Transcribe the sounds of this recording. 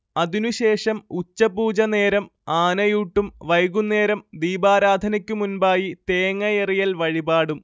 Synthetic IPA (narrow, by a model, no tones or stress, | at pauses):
ɐðinuɕe̞ːʂɐmut͡ɕːɐbuːd͡ʑɐne̞ːɾɐmaːnɐjuːʈːumʋɐjɣunːe̞ːɾɐmd̪iːbaːɾaːd̪ʱɐnɐkʲːumunbaːjit̪eːŋːɐjerijɐlʋɐɻibaːɽum